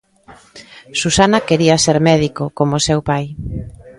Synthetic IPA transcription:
susanɐkeɾiɐseɾmɛðikokomosewpaj

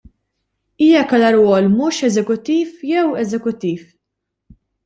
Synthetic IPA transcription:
iːjɐkɐlɐɾwɔːlmʊːʃɛzɛkʊt̪ːiːfjɛwɛzɛkʊt̪ːiːf

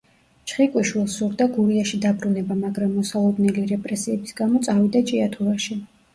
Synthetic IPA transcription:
t͡ʃʰχikʼwiʃwilˠsuɾd̪aɡuɾiaʃid̪abɾunɛbamaɡɾamːɔsalˠɔd̪nɛliɾɛpʼɾɛsiɛbisɡamɔt̪sʼavid̪at͡ʃʼiat̪ʰuɾaʃi

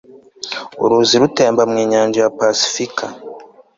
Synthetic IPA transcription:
ṵɾuziɾuteːmbamŋiːɲaːɲd͡ʒajapasi̥fikʰa

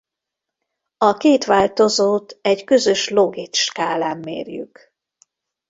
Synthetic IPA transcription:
ɒkeːt̪ʋaːlt̪o̞zoːt̪ɛɟkø̞zø̞ʃlo̞ɡit̪ʃkaːlaːmːḛːrjy̰k

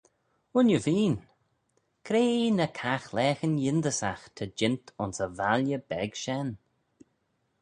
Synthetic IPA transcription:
ʊnjəviːn | kʰɾeːnəkʰaxlɛːxənjɪnd̪əsaxt̪ʰəd͡ʒɪntʰʊnsəvaljəbɛɡ̥ʃɛn

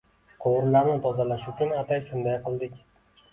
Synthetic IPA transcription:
qʰoʁʊɾlaɾnɪt̪ʰɒzalaʃʊt͡ʃʰʊnat̪ʰajʃʊnd̪ajqʰɨlˠd̪ɪkʲ

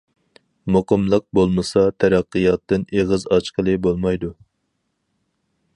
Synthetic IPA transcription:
moqəmlˠəq̚bolˠmɨsɑt̪ʰæɾæqːɨjɑt̪ːɨneʁɨzɑt͡ʃqəlˠɨbolˠmɑjd̪u

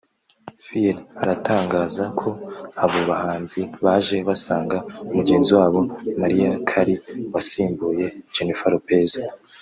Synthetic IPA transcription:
filaɾataːŋɡaːzakʰo̞aβoβahaːnziβaʒe̞βasaːŋɡaumuɡe̞ːnziwaːβo̞maɾijakʰaɾiwasiːmbuːje̞d͡ʒenifaɾope̞ːza

